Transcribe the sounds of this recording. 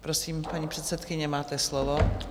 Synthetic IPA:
pɾosiːmpaɲiːpr̥ɛt̪sɛt̪kɪɲɛmaːt̪ɛslovo

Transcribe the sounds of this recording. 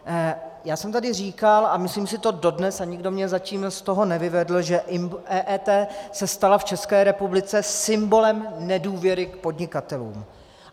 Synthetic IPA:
jaːsɛmt̪adɪriːkalamɪsliːmsɪt̪o̞do̞dnɛsaɲɪɡdo̞mɲɛzaciːmst̪o̞ɦo̞nɛvɪvɛdl̩ʒɛʔɪmʔɛːʔɛːt̪ɛːsɛst̪alaft͡ʃɛskɛːɾɛpublɪt͡sɛsɪmbo̞lɛmnɛduːvjɛɾɪk̚po̞dɲɪkat̪ɛlṵːm

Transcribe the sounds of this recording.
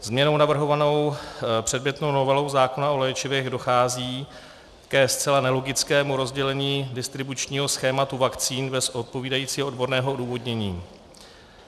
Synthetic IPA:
zmɲɛno̞wnavr̩ɦo̞vano̞wpr̝̥ɛdmjɛt̪no̞wno̞vɛlo̞wzaːko̞naʔo̞lɛːt͡ʃɪvɛɣdo̞xaːziː | kɛst͡sɛlanɛlo̞ɡɪt͡skɛːmuɾo̞zɟɛlɛɲiːdɪst̪ɾɪbut͡ʃɲiːɦo̞sxɛːmat̪uvakt͡siːnbɛsʔot̪̚po̞viːdajiːt͡siːɦoodbo̞ɾnɛːɦoʔoduːvo̞dɲɛɲiː

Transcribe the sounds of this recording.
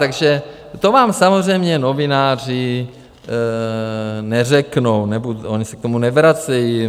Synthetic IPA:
t̪aɡʒɛ | t̪ovaːmsamozr̝ɛjmɲɛno̞vɪnaːr̝ɪ | nɛr̝ɛknownɛbudoɲisɛk̚t̪omunɛvɾat͡sɛji

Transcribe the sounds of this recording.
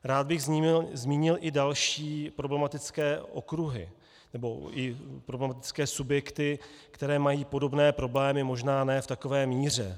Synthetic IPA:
ɾaːd̪̚bɪɣzɲiːmzmiːɲɪlʔɪdalʃiːpɾo̞blɛmat̪ɪt͡skɛːʔo̞̰kɾuɦɪ̰ | nɛbo̞ʔɪpɾoblɛmat̪ɪt͡skɛːsubjɛkt̪ɪkt̪ɛɾɛːmajiːpo̞do̞bnɛːpɾo̞blɛːmɪmo̞ʒnaːnɛːft̪ako̞vɛːmiːr̝ɛ

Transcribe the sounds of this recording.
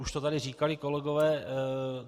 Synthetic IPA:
uʃt̪ot̪adɪriːkalɪkolɛɡovɛː

